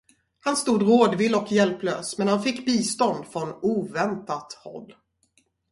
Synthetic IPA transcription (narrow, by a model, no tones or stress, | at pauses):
hanst̪uːd̪ɾoːd̪vɪːlɔkʰjɛlpløːsmɛnhanfɪkːbiːst̪ɔnd̪fɾɔnuːvɛnt̪at̪hɔ̰lː